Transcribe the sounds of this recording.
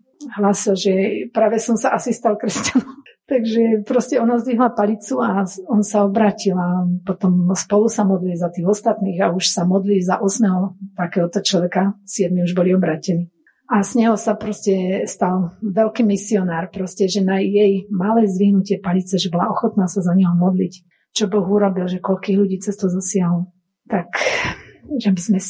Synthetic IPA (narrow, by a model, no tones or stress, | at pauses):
ɦlaːsilʒɛpɾaːʋɛsɔmsaʔasist̪alkɾɛscanɔmt̪aɡʒɛpɾɔscɛɔnazd̪ʋiɦlapaʎit͡suaɔnsaɔbɾaːcilapɔt̪ɔmspɔlusamɔd̪lizat̪iːɣɔst̪at̪niːɣauʃsamɔd̪lizaʔɔsmɛɦɔt̪akɛːɦɔt̪ɔt͡ʃlɔʋɛkasɪɛd̪miuʒbɔliɔbɾaːcɛniː | azɲɛɦɔsapɾɔscɛst̪alʋɛlkiːmisiɔnaːɾpɾɔscɛʒɛnajɛjmalɛjzʋiɦnucɪɛpaʎit͡sɛʒɛbɔlaɔxɔt̪naːsazaɲɛɦɔmɔd̪lic | t͡ʃɔbɔɣuɾɔbilʒɛkɔʎkiːɣʎuɟiːt͡sɛst̪ɔzɔsɪaɦlɔ | t̪ak | ʒɛabizmɛ